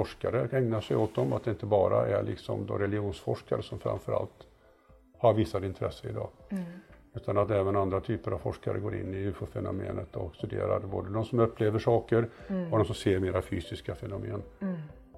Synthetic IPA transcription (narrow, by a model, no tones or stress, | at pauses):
fɔʂkaɾəɛŋnaʂɛjoːt̪̚d̪ɔmat̪̚d̪ɛɪnt̪əbɑːɾa̰ʔɛɾɭɪ̰ksɔmd̪ɔ̰ɾɛlɪuːnsfɔʂkaɾəsɔmfɾʔa̰mfœɾa̰lt̪ | haɾvɪsːad̪ɪnt̪ʰɾɛsːəɪd̪ɑː | ʉ̟ːt̪ʰanat̪d̪ɛɛːvənand̪ɾat̪ʰyːpəɾavfɔʂkaɾə̰ɡoːɾʔɪ̰nːɪʉːfʊfɛnʊ̰mḛːnət̪ɔkst̪ɵd̪ḛːɾaɾboːd̪əd̪ɔmsɔmɵpːleːvəʂɑːkəɾɔd̪ɔmsɔmseːɾmeːɾafyːsɪskafɛnʊmeːn